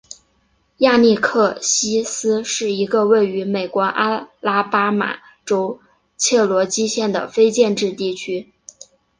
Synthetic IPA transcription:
ja˥˧ni˥˧kʰɤ˥˩ɕi˥sɹ̩˥ʂɻ̩˥˩i˧˥ɡə˧we˥˩ɪy˧˥me˨˩ɪkwɔ˧˥ʔa˥la˥pa˥ma̰˨˩˦ | ʈ͡ʂo˥ʊ | t͡ɕʰjɛ˥˩lwɔ˧˥t͡ɕi˥ɕjɛ˥˩nd̪ə̰˩fe˥ɪt͡ɕjɛ˥˧nʈ͡ʂɻ̩˥˧t̪i˥˩t͡ɕʰy˥

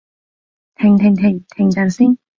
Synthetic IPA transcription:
t̪ʰɪ˨˩ŋt̪ʰɪ˨˩ŋt̪ʰɪ˨˩ŋt̪ʰɪ˨˩ŋt̪aː˨˩nsiː˥ŋ

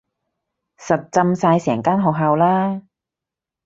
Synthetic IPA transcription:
sɐ˨t̚t͡sɐ˧msaː˧jsɛː˨˩ŋkaː˥nɦɔː˨k̚ɦaː˨˧wlaː˥

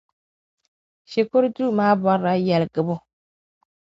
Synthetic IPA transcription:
ʃe˨ko˦ɾdu˦˨maː˦bɔ˦ɾa˨jɛ˨lɡɨ˨bʊ˦

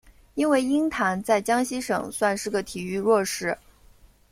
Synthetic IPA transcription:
i˥nwe˥˩ɪi˥ŋt̪ʰa˧˥nt͡sa˥˩ɪt͡ɕjɑ˥ŋɕi˥ʂɤ̰˨˩ŋswa˥˧nʂɻ̩˥˩ɡə˩t̪ʰi˨˩y˥˧ɻwɔ˥˩ʂɻ̩˥˩

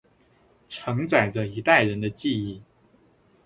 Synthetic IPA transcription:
ʈ͡ʂʰɤ˧˥ŋt͡sa˨˩ɪʈ͡ʂə˦i˧˥t̪a˥˩ɪɻə˧˥nd̪ə˧t͡ɕi˥˧i˥˩

